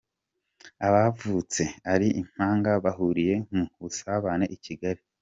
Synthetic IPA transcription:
aβavut͡se̞aɾiʔim̥aːŋɡaβaɦuɾije̞ŋ̥uβusaβane̞ʔiciɡaɾi

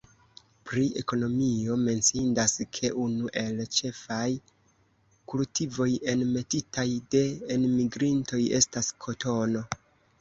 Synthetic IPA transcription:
pɾie̞̰ko̞no̞mio̞me̞nsindaskʰe̞ʔunuʔe̞lt͡ʃe̞faj | kultivo̞je̞nme̞titʰajde̞ːnmiɡɾinto̞je̞̰staskʰo̞tʰo̞no̞

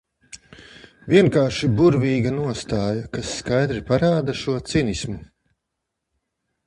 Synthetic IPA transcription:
vʲiɛŋkaːɾʃibuɾvʲiːɡanuɔst̪aːjɐkasːkajd̪ɾipaɾaːd̪aʃuɔt̪sinismu

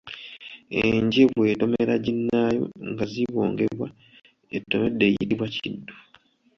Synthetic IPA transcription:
eɲɟeβwe̞ːto̞me̞ɾaɟinːaːjo̞̰ŋɡaziβo̞ːŋɡe̞βwa | etːo̞medːe̞ːjitiβwacidːu

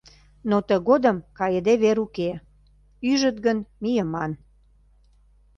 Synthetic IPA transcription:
not̪əɣod̪əmkɑjəd̪eβeɾuke | yʒət̪ɣənmijəmɑn

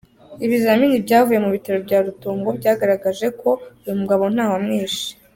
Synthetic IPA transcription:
iβizaminibɟaːvuje̞muβitaɾo̞bɟaːɾutoːŋɡo̞bɟaːɡaɾaɡaʒe̞kʰo̞ujumuɡaβo̞n̥aːwamŋeːʃi̥

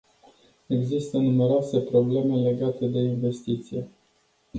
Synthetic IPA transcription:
e̞ɡzist̪ənume̞ɾoase̞pɾo̞ble̞me̞le̞ɡat̪e̞d̪e̞inve̞st̪it̪sije

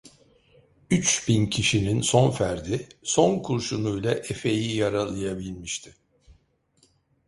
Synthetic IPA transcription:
yt͡ʃbincʰiʃininso̞nfæɾd̪iso̞nkʰuɾʃunujlˠaʔefe̞jijaɾalˠɯjabilʲmiʃt̪ʰɪ̥

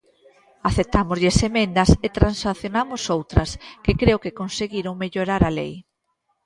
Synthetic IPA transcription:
aθep̚t̪amʊzʎesemẽnd̪ɐset̪ɾansaθjonamʊsowt̪ɾɐskekɾeokekonseɣiɾoŋmeʎoɾaɾalej

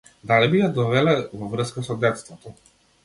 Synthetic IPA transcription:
d̪alibijad̪ɔvɛlɛvɔvrskasɔd̪ɛt̪st̪vɔt̪ɔ

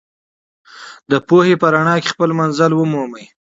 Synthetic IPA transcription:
d̪əpohepəɾaɳɑke̥xpəlmanzəlwəmoməj

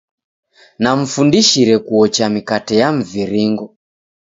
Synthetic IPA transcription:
nam̩fundiʃiɾɛkuɔt͡ʃamikatɛjam̩viɾiŋɡɔ

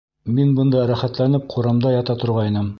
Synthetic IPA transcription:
minbɤ̆nd̪ɑɾæχæt̪lænɘp̚qʰuɾɑmd̪ɑjɑt̪ɑt̪ŏɾʁɑinɤm

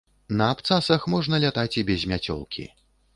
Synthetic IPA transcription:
nɐːpt̪sasɐxmɔʐnɐlʲat̪at͡sʲibʲɛzʲmʲat͡sʲɔ̰lˠkʲʰḭ

